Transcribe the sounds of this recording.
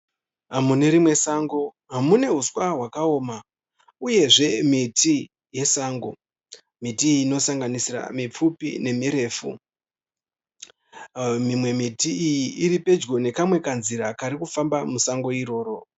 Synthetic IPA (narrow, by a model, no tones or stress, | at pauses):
ɦamune̞ɾimwe̞saːŋɡo̞ | ɦamune̞ɦuswaɦwakao̞ːma | uje̞ʐe̞miti | je̞saːŋɡo | mitiiːno̞saŋɡanisira̰mip͡fupḭne̞miɾe̞ːfṵ | mimwe̞mitiijiʔiɾipe̞d͡ʒɡo̞ne̞kamwe̞kanziɾakaɾikufambamusaŋɡo̞iɾo̞ːɾo̞